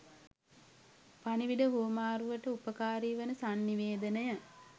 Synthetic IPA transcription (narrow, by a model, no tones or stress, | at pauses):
paniʋiɖəɦuəmaːɾuʋəʈəupəkaːɾiːʋənəsanːiʋeːd̪ənəja